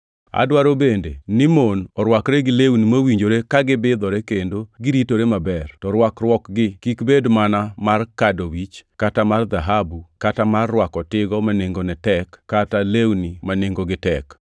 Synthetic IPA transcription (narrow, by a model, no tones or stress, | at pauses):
a̰dwaɾobendenɪmonɔɾwakɾɛɡɪlewnimawiɲd͡ʒoɾekaɡɪbɪd̪ɔɾɛkendoɡɪɾitoɾemabɛrtɔɾwakrwɔkɡɪkikbedmanamarkadowit͡ʃkatamard̪aɦabukatamarːwakɔtɪɡɔmaneŋɡonɛtɛkːatalewnimaneŋɡoɡɪtɛk